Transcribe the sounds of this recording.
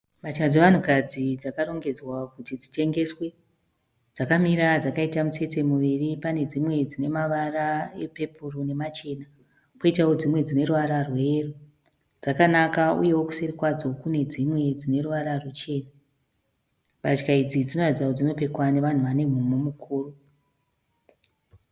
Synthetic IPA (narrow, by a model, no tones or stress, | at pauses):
mat͡ʃkad͡zeʋan̤ukad͡zid͡zakaɾo̞ŋɡe̞d͡zwakutid͡zite̞ŋɡe̞swe̞ | d͡zakamiɾad͡zakaitamut͡se̞te̞muʋiripane̞d͡zimwe̞d͡zine̞maʋaraepe̞pʰurone̞mat͡ʃe̞na | koitao̞d͡zimwe̞d͡zine̞ruʋaɾarwe̞ːru | d͡zakanakaṵje̞woku̥serikwad͡zo̞kune̞d͡zimwe̞d͡zine̞ruʋaɾarut͡ʃe̞ːna | bat͡ʃkaid͡zid͡zino̞ad͡zaod͡zino̞pe̞kwane̞ʋan̤uʋane̞m̤umomukʰuːru